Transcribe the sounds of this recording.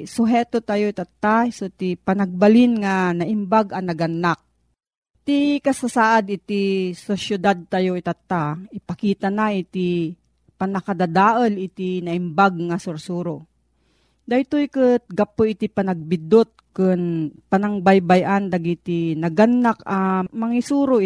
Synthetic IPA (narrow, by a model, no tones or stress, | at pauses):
sʊɦɛːt̪ot̪ajoit̪at̪ːasot̪ipɐnɐɡ̚balɪnŋanɐʔɪmbaɡɐnɐɡanːak̚ | t̪ikɐsasaːʔad̪ɪt̪isosjʊd̪ad̪̚t̪ajoit̪at̪ːaɪpɐkiːt̪anaʔit̪i | panɐkad̪ad̪aːʔɐlɪt̪inɐʔɪmbaɡ̚ŋasʊɾsuːɾo | d̪ajt̪ojkɨt̪̚ɡapoɪt̪ipanɐɡ̚bɪd̪ot̪̚kɨnpanaŋbajbajʔand̪aɡit̪inɐɡanːakamɐŋisuːɾo